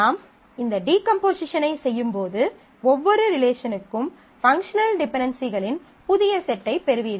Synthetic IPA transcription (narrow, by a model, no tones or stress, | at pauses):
aːm | ɪnd̪ɐɖiːkɐmpoːsɪʂɐnɐɪsɛjːɯmpoːðɯ | ɔʋːɔɾɯɾɪleːʂɐnɯkːɯm | fɐŋkʂɐnɐlɖɪpɛɳɖɐnsiɣɐɭɪn | pʊðɪjɐsɛʈːɐɪpːɛɾɯʋiːɾɯ